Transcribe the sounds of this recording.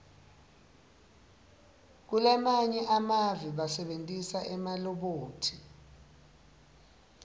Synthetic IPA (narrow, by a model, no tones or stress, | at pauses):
k̬ulamaɲɛʔamaviɓasɛɓentʼisaʔɛmalɔɓoːtʰi